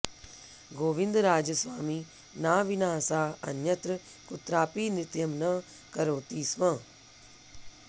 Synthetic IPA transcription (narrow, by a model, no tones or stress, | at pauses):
ɡoːʋɪ̃nd̪ɾaːd͡ʒəsʋaːmiː | naːʋɪnaːsaːə̰njət̪ɾə | kʊt̪ɾaːpiːnɪt̪jəmnaː | kəɾoːt̪iːsʋãː